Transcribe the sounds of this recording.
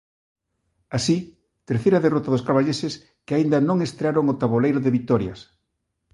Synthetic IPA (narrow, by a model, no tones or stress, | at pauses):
asi | t̪eɾθejɾɐðerɔt̪aðoskaɾβaʎesɪs | kɪaind̪ɐnõŋest̪ɾeaɾoŋot̪aβolejɾʊðɪβit̪ɔɾjɐ̰s